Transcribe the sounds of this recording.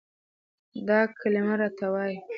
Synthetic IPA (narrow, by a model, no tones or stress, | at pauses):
d̪ɑkʰalɪmaɾɑt̪awɑj